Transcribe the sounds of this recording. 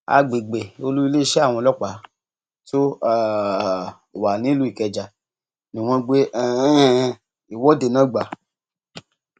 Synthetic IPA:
a̰˧ɡ͡be˨ɡ͡be˨o˧lu˦i˧le˦ʃɛ˦a˦˨w̃ɔ̃˧lɔ˦k͡pa˨˦ | to˦˨ | o˨wa˨nĩ˦lu˦i˦˨kɛ˨˧d͡ʒa˨ | nĩ˨w̃ɔ̃˧ɡ͡be˦ɛ˨˦˧ | i˨wɔ˦de˧˨nãː˨˦ɡ͡ba˨

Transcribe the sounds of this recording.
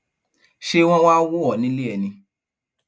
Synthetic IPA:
ʃe˦w̃ɔ̃˦wa˦wo˦ɔ˨nĩ˨˦le˦ɛ˨nĩ˧

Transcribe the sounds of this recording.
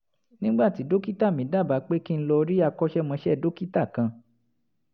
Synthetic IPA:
nĩ˦ɡ͡ba˦˨ti˨˦do˦ki˦ta˦˨mĩ˨˦da˦˨ba˨˦k͡pe˦ki˦n̩˦lɔ˧ɾi˦a˧kɔ˦ʃɛ˦mã˧˦ʃɛ˦˨do˦ki˦ta˦˨kã˧

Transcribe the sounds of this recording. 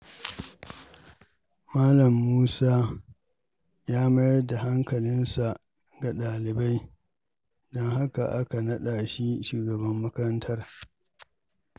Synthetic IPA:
maː˦lɐ˨mːuː˦saː˦ | jaː˦ma˦jda˨ha˦ŋkɐ˨lɪ˦nsa˨ʔ | ɡa˨ɗaː˨lɪ˨ba˦j | dɔ˦ŋɦa˦ka˨ʔa˦ka˨nɐ˦ɗa˨ʃi˦ʃuː˨ɡɐ˨bɐ˦mːɐ˦kɐ˦ɾɐ˦ntʰɐ˦r

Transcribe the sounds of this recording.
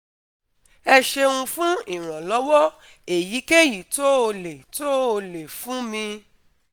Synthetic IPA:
ɛ˧ʃe˧ũ˧fũ˦i˦˨ɾ̃ã˨lɔ˨˦wɔ˦ | e˨ji˨˦ke˦ji˨to˦o˧le˨to˦o˧le˨fũ˨˦mĩ˧

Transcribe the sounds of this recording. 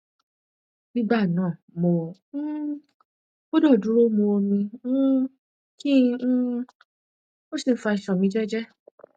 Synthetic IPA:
mĩ˦ɡ͡ba˦˨nãː˦˨mo˨˦ | o˦dɔ˦˨du˨˦ɾo˦mõ˧o˧mĩ˧˦ | kĩ˦ | mo˦si˦˨n̩˦fa˧i˨ʃɔ˨mĩ˧˦d͡ʒɛ˦d͡ʒɛ˦

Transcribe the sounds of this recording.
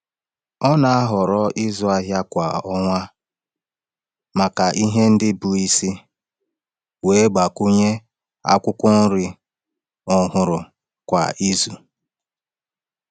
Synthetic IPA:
ɔ˦na˨a˦ɦɔ˨ɾɔ˦ʔi˦zʊ˨a˦ɦja˦kʷa̰˨ɔ˦ŋʷa˦ | ma˨ka˨ʔi˦ɦe˦n̩˦dɪ˦bu˨i˦si˦ | we˨˦ɡ͡ba˨ku˦ɲe˦ | a̰˦kʷʊ˦kʷʊ˦n̩˦ɾɪ˦ | ɔ˨ɦʊ˨ɾʊ˨ | kʷa̰˨i˦zu˨

